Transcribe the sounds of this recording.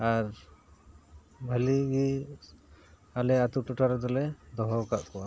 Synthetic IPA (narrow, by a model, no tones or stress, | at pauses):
aɾ | bʱəliɡi | alɛat̪uʈuʈaɾd̪ɔlɛd̪ɔɦɔkaʔkɔwa